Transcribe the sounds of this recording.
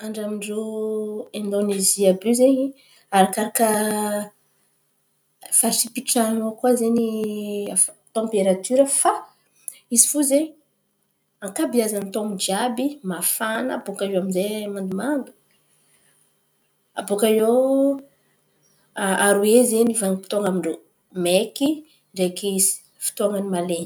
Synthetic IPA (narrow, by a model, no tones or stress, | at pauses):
aɳɖ͡ʐamiɳɖ͡ʐo | ẽnd̪oneziəblyzeɲi | aɾakaɾakə | fasipiʈ͡ʂanokwazeɲi | t̪ɑ̃mpeɾat̪yɾəfa | izifuzeɲ | aŋkabiazanit̪oŋud͡ʒiabimafanaːbokaewaminzemand̪umand̪u̥ | abukae | aɾuezenivaŋipit̪oŋamiɳɖ͡ʐo | meki | ɳɖ͡ʐekizi̥ | fi̥t̪oaŋanimalen